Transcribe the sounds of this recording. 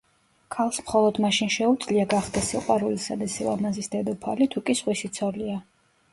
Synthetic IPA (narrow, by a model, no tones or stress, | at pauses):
kʰalˠsmχɔlˠɔd̪maʃinʃɛud̪zliaɡaχd̪ɛsiqʼwaɾulisa̰d̪asilˠa̰mazisd̪ɛd̪ɔpʰa̰lit̪ʰukʼisʁwisit̪sʰɔlia